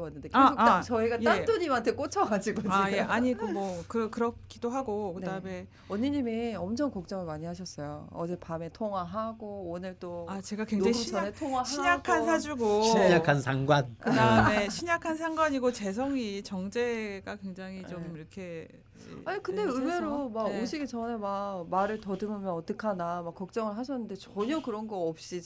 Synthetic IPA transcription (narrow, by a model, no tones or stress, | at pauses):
wanːɯndekaɡuat͡ɕʌiɡajtat͈uɲimantʰe̞k͈ot͡ɕʰʌɡad͡ʑiɡoaaije̞aɲiɡomwʌkɯkɯɾʌkʰidoɦaɡokɯdame̞ | ʌɲiɲimiʌmt͡ɕʰʌŋkʌk̚t͡ɕ͈ʌŋɯɭmaɲiɦaɕʰʌs͈ʌjoʌd͡ʑepame̞tʰoŋwaɦaɡoonɯɭt͈oat͡ɕe̞ɡakwe̞ŋd͡ʑaŋiɕʰaetʰoŋaɕʰiɲakʰansʰad͡ʑuɡoiɲakʰansʰaŋɡwankɯdaɯeɕʰiɲakʰansʰaŋɡwaɲiɡot͡ɕe̞s̬ʰʌŋit͡ɕʌŋd͡ʑe̞ɡakwe̞ŋd͡ʑaŋit͡ɕomiɾʌkʰḛ | aɲikɯnde̞ɯme̞ɾomaɡoɕʰiɡet͡ɕʌnemamaɾɯɭtʌdɯmɯmjʌnʌt͈ɯkʰanamak͈ːʌk̚t͡ɕ͈ʌŋɯɭɦaɕ̬ʰʌnːɯnde̞t͡ɕʌɲʌkɯɾʌnɡʌʌp̚ɕ͈i